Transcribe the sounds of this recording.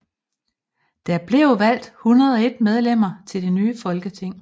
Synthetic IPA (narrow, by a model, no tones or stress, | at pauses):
d̥æb̥le̝ʊʋæl̰d̥hunɐð̞ˠɒ̽e̝d̥með̞ˠlem̰ɐt͡sʰe̝ld̥enyːfɒ̽lɡ̥ət͡sʰe̝ŋ̰